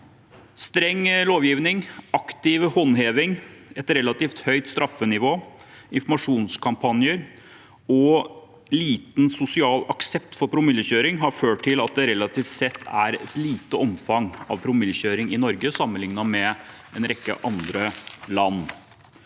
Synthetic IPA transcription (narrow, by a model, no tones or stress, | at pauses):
st̪ɾɛŋːloːʋjiːʋnɪŋɑkt̪ɪʋhɔnɦeːʋɪŋɛt̪ɾɛlɑt̪iːft̪hœʏt̪st̪ɾʔɑfːənɪʋoː | ɪnfɔmɑʂuːnskʰɑmpʰɑnjəɾ | ɔ | liːt̪n̩sʊsɪɑːlɑksɛp̚t̪fɔɾpʰɾʊmɪljəçøːɾɪŋɦɑɾføːʈʰːɪlɑt̪̚d̪ɛɾɛlːɑt̪ʰiːft̪sɛt̪ʰːæɾɛt̪liːt̪əɔmfɑŋɑ̰ʋpʰɾʊmɪljəçøːɾɪŋɪnɔɾɡəsɑmːənlɪŋnɑmɛ | ɛnɾɛkːə̰ʔɑnd̪ɾəlɑnː